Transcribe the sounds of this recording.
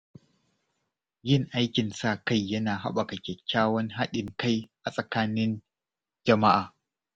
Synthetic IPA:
jɪ˦˨ŋʔa˦jkʲɪ˨nsa˦˨ka˦˨jːɐ˦naː˨ɦa̰˦ɓa˨kɐ˨kʲɛ˨kʲːaː˦wɐ˦ŋɦa˦ɗɪ˨ŋka˦jʔa˨sʼɐ˨kaː˦nɪ˦n | d͡ʒɐ˨ma˦ʔaː˨

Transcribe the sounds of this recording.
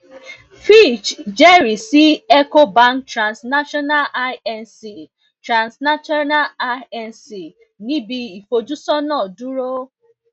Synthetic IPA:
fi˦˨t͡ʃd͡ʒe˦ɾi˨si˦ɛ˦ko˦ba˦ŋktɾã˨nsna˦ʃɔ˦na˦la˦ɛ˨nsi˨ | tɾã˨nsna˦t͡ʃɔ˦na˦a˦ɛ˦nsi˨ | nĩ˦bi˨i˨fo˨d͡ʒu˦sɔ˦nɔ˦˨du˦ɾo˦

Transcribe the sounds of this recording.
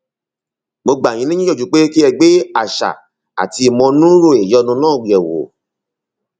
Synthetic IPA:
mo˧ɡ͡ba˨jĩ˨˦nĩ˦ĩ˦ɔ˦˨d͡ʒu˨k͡pe˦ki˦ɛ˧ɡ͡be˦a˦˨ʃa̰˨ | a̰˨ti˧i˨mɔ̃˧nũ˦ɾo˦˨e˨jɔ˧˦nũ˧˦nãː˦˨ɡ͡bi˨ɛ˨wo̰˨

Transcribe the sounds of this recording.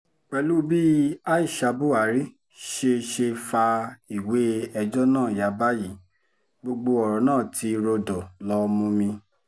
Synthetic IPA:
k͡pɛ˧lu˦bi˦a˦i˦˨ʃa˧bu˦a˨˦ɾi˦ | ʃe˧ʃe˧fa˧i˨we˨˦ɛ˧d͡ʒɔ˦nãː˦˨ja˨˦ba˦ji˨ | ɡ͡bo˧ɡ͡bo˧ɔ˨ɾɔ˨˦nãː˦˨tʰi˧ɾo˧dɔ˨lɔ˧mũ˧mĩ˧

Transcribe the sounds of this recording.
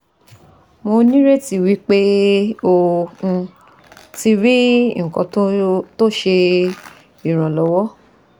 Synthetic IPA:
mo˧nĩ˦ɾe˦ti˧wi˦k͡pe˦o˦˧ũ˧ | ti˦ɾi˦ŋ̩˨kɔ̰̃˧˦to˦ʃe˧ | i˨ɾ̃ã˨lɔ˨˦wɔ˦

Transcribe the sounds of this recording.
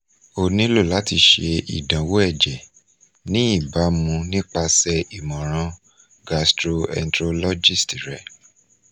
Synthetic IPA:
o˨nĩ˦lo˦˨la˨˦ti˧ʃe˧ḭ˨dã˨wo˦ɛ˦˨d͡ʒɛ˨ | nĩ˦i˦˨ba˨˦mũ˧nĩ˦k͡pa˧sɛ˧i˨mɔ̃˨ɾ̃ã˧˦ | ɡa˧stɾo˧ɛ̰˧n̩˦tɾo˧lɔ˦d͡ʒi˦˨sti˨ɾɛ˧˦

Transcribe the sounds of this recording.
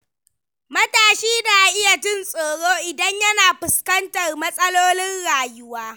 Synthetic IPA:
mɐ˦taː˨ʃiː˦da˨ʔa˨ʔɪ˦ja˨tʊ˦˨nsʼoː˨ɽoː˦ʔɪ˨dɐ˦ɲjɐ˦naː˨ɸʊ˨skɐ˦ntɐ˨rmɐ˦sʼɐ˦loː˦nɪ˦nɽaː˨jʊ˦waː˦

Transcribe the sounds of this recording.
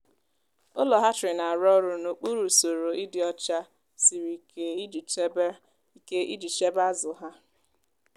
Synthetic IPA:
ʊ˦lɔ˨ɦa˦t͡ʃɪ˨na˨a˨ɾɔ˦ɾʊ˨no˨k͡pu˦ɾu˨so˨ɾo˨i˦dɪ˨ɔ˦t͡ʃa˦ | si˨ɾi˨ke˦˨˦ | ke˦ḭ˦di˨t͡ʃe˦ba˦zʊ˨ɦa˦

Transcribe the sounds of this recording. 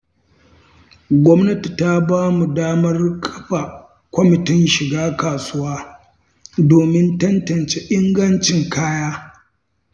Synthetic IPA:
ɡʷɔ˦mnɐ˦ti˨ta˦baː˦mu˨daː˦mɐ˦rkʰɐ̥˦ɸa˨ | kʷɔ˦mɪ˨tɪ˦nʃɪ˨ɡaː˦kaː˨sʊ˦waː˦ | doː˨mɪ˦ntɐ˦ntɐ˨nt͡ʃe˦ʔɪ˦ŋɡɐ˦nt͡ʃɪ˨ŋkaː˦jaː˦

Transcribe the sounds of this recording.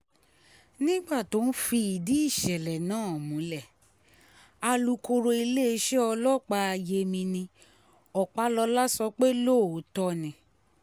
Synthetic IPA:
nĩ˦ɡ͡ba˦˨to˨˦n̩˦fi˧i˨di˨˦i˦˨ʃɛ˨lɛ˨nãː˦˨mũ˨˦lɛ˦˨ | a˧lu˧ko˧ɾo˧i˧le˦e˧˦ʃe˦ɔ˧lɔ˦k͡pa˧a˧je˧mĩ˧nĩ˧ | ɔ˨k͡pa˨˦lɔ˧la˦sɔ˧k͡pe˦lo˦˨˦tɔ˧nĩ˨

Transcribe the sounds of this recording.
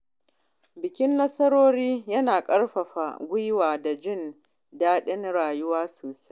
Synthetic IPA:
bɪ˨kʲɪ˦nːɐ˦sɐ˦ɾoː˦ɾiː˦jɐ˦naː˨kʼɐ˦ɽɸɐ˨ɸa˨ɡʷʊ˦jwaː˨da˨d͡ʒɪ˦˨n | daː˦ɗɪ˦nɽaː˨jʊ˦waː˦soː˨sa˦j

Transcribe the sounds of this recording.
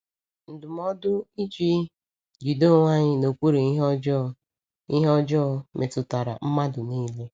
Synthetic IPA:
n̩˨dʊ˨m˦ɔ˦dʊ˦i˦d͡ʒi˦ | d͡ʒi˨do˦˨ŋʷa˦ɲɪ˦no˨kʷu˦ɾi˨i˦ɦɔ˦d͡ʒɔ˦˨ | i˦ɦɔ˦d͡ʒɔ˦mʔe˨tʊ˨ta˨ɾa̰˨m̩˦ma˦dʊ˨niː˦le˦

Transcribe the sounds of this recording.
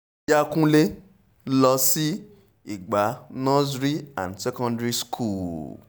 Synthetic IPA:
ja˦kũ˦le˦ | lɔ˧si˦ | i˦˨ɡ͡ba˨˦nɔ̃˦d͡ʒɾi˦ã̰˨ndsɛ˦kɔ̃˧ndɾi˦skʰu˦˨l

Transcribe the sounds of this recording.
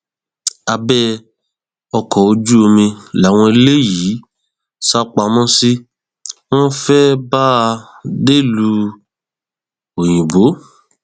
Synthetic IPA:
a˧bɛ˦ | ɔ˧kɔ˨o˧d͡ʒu˦o˧mĩ˧la˨˦w̃ɔ̃˧e˧le˦ji˨˦ | sa˦k͡pa˧mɔ̃˦si˦ | w̃ɔ̃˦fɛ˦ba˦˧ | de˦˨lu˧˦ | o˨j̃ĩ˨bo˨˦

